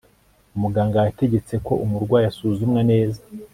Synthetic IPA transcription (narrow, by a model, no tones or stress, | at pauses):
umuɡaːŋɡajate̞ɟet͡se̞ko̞ʔumuɾɡwaːjasuːzumŋane̞ːza